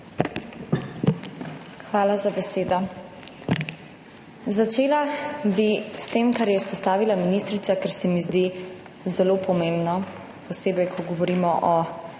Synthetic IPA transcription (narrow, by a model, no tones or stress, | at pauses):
xʋaːlazabɛseːd̪ɔ | zat͡ʃeːlabist̪eːmkaɾjɛispɔst̪aːʋilaminist̪ɾit̪akɛɾsɛmizd̪i | zɛloːpɔmeːmbnɔ | pɔseːbɛjkʰɔɡɔʋɔɾiːmɔʔɔ